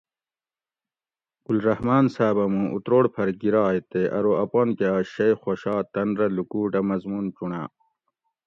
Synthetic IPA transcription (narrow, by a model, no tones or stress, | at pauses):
ɡ̥ulɾɐhmaːnsaːbɐmũʔṵt̪ɾoːɽpʰɐɾɡiɾaːet̪eʔɐ̰ɾoɐponkaːɕɐjxoɕaːt̪ɐnɾɐlukuːʈɐmɐzmunt͡ɕuɳa̰ː